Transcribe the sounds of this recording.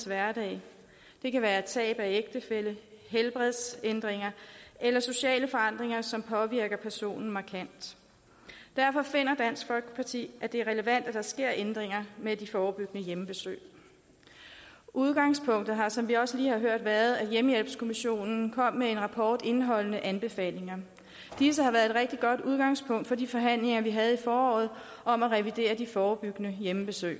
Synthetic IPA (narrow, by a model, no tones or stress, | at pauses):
sʋæɐd̥ɛ̰ː | d̥e̝kæʋæːɐedt͡sʰɛ̰ːb̥æeɡ̥̚d̥əfelə | ɦelb̥ʁɛðˠsend̥ʁeŋɐʔelɐso̝ɕɛ̰ːləfɒ̽ɑ̈n̰d̥ʁeŋɐsɒ̽mpʰɒ̽ʋiɐ̰ɡ̥ɐpʰæɐso̝̰ːnn̩mɑ̈kʰæn̰d̥ | d̥æɐfɒ̽fe̝n̰ɐd̥æn̰sɡ̥fɒ̽lɡ̥əpʰɑ̈t͡sʰḭːʔæd̥e̝æɐʁɛləʋæn̰d̥æd̥ɑ̈sɡ̥e̝ɐ̰ʔend̥ʁeŋɐmed̥ifɒːb̥yɡ̥nəjemb̥e̝sø̰ː | ʔuð̞ˠɡ̥ɑ̈ŋspʰɔ̽ŋ̰d̥ð̩ˠɦɑ̈sɒ̽mʋiɒ̽səliːhɑ̈ɦøɐ̰d̥ʋæɐð̞̩ˠæd̥jeməjel̰b̥skʰo̝miɕo̝̰ːnn̩kʰɒ̽m̰ːee̝nʁɑ̈pʰɒːd̥e̝nɦɒ̽l̰ənəʔænb̥e̝fɛ̰ːle̝ŋɐ | d̥is̬əhɑ̈ʋæːɐðˠedʁɛɡ̥̚d̥iɡ̥ɒ̽d̥uð̞ˠɡ̥ɑ̈ŋspʰɔ̽ŋ̰d̥fɒ̽difɒ̽ɦæn̰le̝ŋɐʋiɦæð̞̩ˠifɒːɒ̰ːð̞̩ˠ | ɒ̽mæʁɛʋid̥e̝̰ːɐd̥ifɒːb̥yɡ̥nəjemb̥e̝sø̰ː